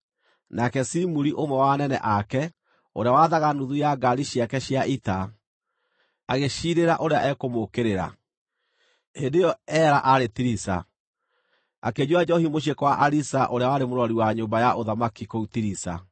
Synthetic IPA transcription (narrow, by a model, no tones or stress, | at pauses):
nakɛsimuɾiʔomwɛwanɛnɛ̰ʔakɛ | oɾeawaðaɣanuðujaɡaɾiɕiakɛɕiaita | aɣeɕiɾeɾaʔoɾeaʔɛkomokeɾeɾa̰ | hendejɔɛɾaʔaɾetiɾisa̰ | a̰ked͡ʒwad͡ʒɔhimoɕ̬ekɔwaʔaɾisaʔoɾeawaɾemoɾɔɾiwaɲoːmbajaʔoðamakikoutiɾisa̰